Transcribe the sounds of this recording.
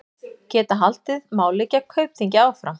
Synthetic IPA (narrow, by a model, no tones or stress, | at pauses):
cɛːt̪aɦal̥t̪ɪðmaːwlɪcːakʰœɥpθiɲcɪaːwfɾam